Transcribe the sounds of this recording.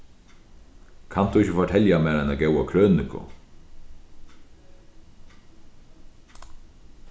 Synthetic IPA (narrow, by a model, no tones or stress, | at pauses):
kʰant̪uɪçəfɔʈʰɛljamɛːɾajnaɡɛwakʰɾøːnɪkʊ̰